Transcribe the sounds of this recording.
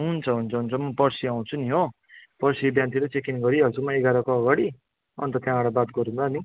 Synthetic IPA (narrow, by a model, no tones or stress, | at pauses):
ɦunt͡sʰʌɦunt͡sʰʌɦunt͡sʰʌmʌpʌrsiaw̃t͡sʰuniɦo | pʌrsibjãnt̪iɾʌt͡sekinɡʌɾiʌlt͡sumaeɡaɾʌkoʌɡaɽi | ʌ̰nt̪ʌt̪jãbaɽabat̪̚ɡʌɾundani